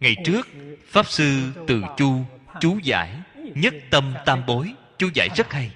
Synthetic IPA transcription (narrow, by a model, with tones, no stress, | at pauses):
ŋa˨˩jt͡ɕɨ˦˥ək̚faː˦˥p̚sɨ˧t̪ɨ˨˩t͡ɕu˧t͡ɕu˨˦za̰ː˧˩˨jɲə˦˥t̚t̪ə˧mt̪aː˧mɓo˨˦jt͡ɕu˨˦za̰ː˧˩jzə˦˥t̚ha˧j